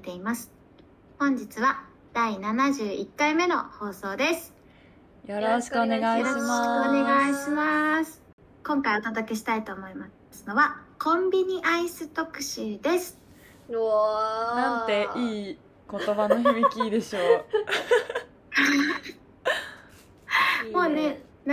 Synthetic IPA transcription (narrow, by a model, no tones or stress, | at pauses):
t̪e̞imasɨ̥ | hõ̞ɲ̟d͡ʑit͡sɨβa | d̪̥ainanaʑɨːʔikːaime̞no̞ho̞ːso̞ːd̪e̞sɨ̥ | joɾoɕi̥kɯoneɡaijoɾoone̞ɡaiɕimasɨ̥ | kõ̞ŋkaiot̪ad̪oke̞ɕi̥t̪ait̪o̞ːmo̞ima | sɨno̞βakʰõ̞mbʲiɲ̟iʔaisɨt̪o̞kɯ̟̥ɕɨd̪e̞sɨ̥ | nãnt̪e̞iː | ko̞t̪o̞βanoçimikʲiːd̪e̞ɕo̞ː | moːne